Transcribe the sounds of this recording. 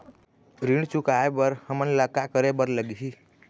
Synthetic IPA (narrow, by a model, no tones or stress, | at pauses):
ɾiɽt͡ʃukaebəɾhəmənləkakəɾebəɾləɡiɦi